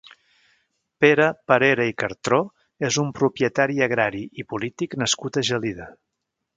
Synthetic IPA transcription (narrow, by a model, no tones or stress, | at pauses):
peɾəpəɾeɾəikəɾt̪ɾo | ezumpɾupjət̪aɾiəɣɾaɾiʔipulit̪iknəskut̪əʒəliðə